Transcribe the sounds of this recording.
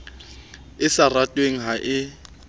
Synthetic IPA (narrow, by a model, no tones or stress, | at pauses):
ɪsaratʼweŋ̩ɦaʔɪ